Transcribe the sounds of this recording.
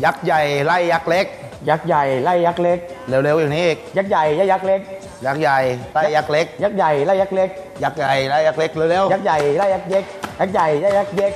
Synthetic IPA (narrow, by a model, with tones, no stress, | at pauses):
za˦˥k̚za˨˩jla˧ja˦˥k̚le˦˥k̚ | za˨˦˥k̚za˨˩jla˧ja˦˥k̚le˦˥k̚le˨˧wle˧wi˨˧˩ni˨˦e˧˦k̚za˦˥k̚za˨˩jza˧˦˥ja˦˥k̚le˦˥k̚ | za˦˥k̚za˨˩jla˧˦˧ja˦˥k̚le˦˥k̚za˦˥k̚za˨˩jla˧ja˦˥k̚le˦˥k̚ | za˦˥k̚za˨˩jla˧ja˦˥k̚le˦˥k̚le˧wle˧˦wa˦˥k̚za˨˩jla˧ja˦˥k̚ze˦˥za˦˥k̚za˨˩jza˧˩ja˦k̚ze˧˦˥k̚